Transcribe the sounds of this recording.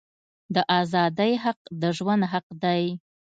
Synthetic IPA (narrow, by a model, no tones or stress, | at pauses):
d̪əʔɑzɑd̪əjɦaq̚d̪əʒwand̪ɦaqd̪aj